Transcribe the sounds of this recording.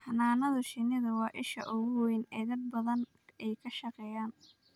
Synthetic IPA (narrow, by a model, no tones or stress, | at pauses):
hɐnaːnɐðɐʃɪnɪðɐwɑːʔɪʃɐ̰ʔʊɣʊwɛjnɛːd̪ɐd̪̚bɐðɐn | ɛjkʰɐʃɐqɛːjaːn